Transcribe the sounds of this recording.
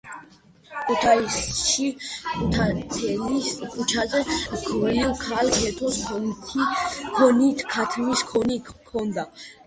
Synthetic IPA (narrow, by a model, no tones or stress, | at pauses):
kʰʼut̪ʰaisʃikut̪ʰaɛliskʰʼut͡ʃʰazɛɡʰilkʰalkʰɛt̪ʰɔskʰɔ | kʰɔnit̪ʰkʰat̪ʰmiskʰɔnikʰːɔnd̪a